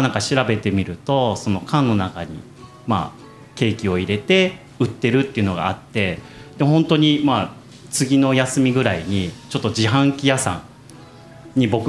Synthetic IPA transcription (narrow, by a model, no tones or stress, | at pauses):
nãŋkaɕiɾabe̞t̪e̞mʲiɾɯ̟t̪o̞so̞no̞kʰãnːo̞nakaɲ̟ḭ | ma̰ː | ke̞ːkʲio̞iɾe̞t̪e̞ | ɯ̟t̪ːe̞ɾɯ̟t̪ːe̞iɯ̟no̞ɡa̰ːt̪ːe̞ | d̪̥eɦõ̞nt̪o̞ɲ̟ima | t͡sɨɡʲino̞jasɨmʲiɡɯ̟ɾaiɲ̟it͡ɕo̞t̪ːod͡ʑiɦãŋkʲijasã̰ŋ | ɲ̟ibo̞k